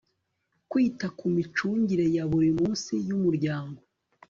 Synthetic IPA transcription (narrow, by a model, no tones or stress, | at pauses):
kwiːtakʰumit͡ʃuːɲɟiɾe̞jaβuɾimuːnsijumuɾɟaːŋɡo